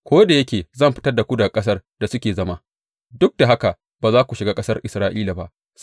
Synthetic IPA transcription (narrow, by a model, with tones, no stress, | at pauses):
kʷoː˦da˨jɐ˦kʲeː˨zɐ˦˨mɸɪ˦tɐ˦rda˨kʷu˦da˨kʼɐ˦s̬ɐ˦rd̥a˨sʊ˦kʲeː˨zɐ˦maː˦ | dʊ˦k̚da˨ɦa˦ka˨ | baː˨zaː˦kʷu˨ʃɪ˨ɡaː˦kʼɐ˦sɐ˦rʔɪ˨sɾaː˦ʔiː˦la˨ba̰˦ʔ